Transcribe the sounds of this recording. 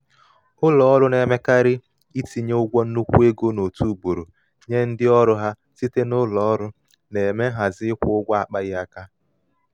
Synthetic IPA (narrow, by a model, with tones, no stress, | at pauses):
ʊ˦lɔ˨ɔ˦ɾʊ˦ne˨me˦ka˦ɾɪ˦ | i˦ti˨ɲe˦ʊ˦ɡʷɔ˦n̩˦nu˦kʷu˦e˦ɡo˦no˨tu˦˨bo˨ɾo˨ | ɲe˦n̩˦dɪ˦ɔ˦ɾʊ˦ɦa˦ | si˦te˦nʊ˦lɔ˨ɔ˦ɾʊ˦ | ne˨me˦ɦa˨zɪ˦ɪ˦kʷʊ˦ʊ˦ɡʷa˦a˨k͡pa˦ɣɪ˦a˦ka˦